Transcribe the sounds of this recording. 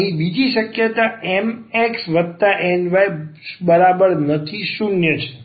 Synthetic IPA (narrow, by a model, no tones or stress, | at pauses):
ɦĩbid͡ʒiʃəkjət̪aɛmeksʋəd̪t̪aʔenʋajbəɾabəɾnət̪ʰiʃunjət͡ʃʰe̥